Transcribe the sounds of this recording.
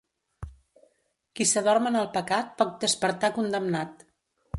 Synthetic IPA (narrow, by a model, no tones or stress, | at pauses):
kisəðɔrmənəlˠpəkat̪̚pɔk̚d̪əspəɾt̪akund̪əmnat̪